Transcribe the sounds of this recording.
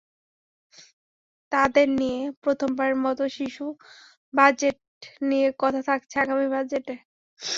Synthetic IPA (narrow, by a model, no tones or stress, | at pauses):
t̪ad̪eɾnijepɾot̪ʰombaɾeɾmɔt̪oʃiʃu | bad͡ʑeʈ̚ | nijekɔt̪ʰat̪ʰak̚t͡ɕʰeaɡamibad͡ʑeʈe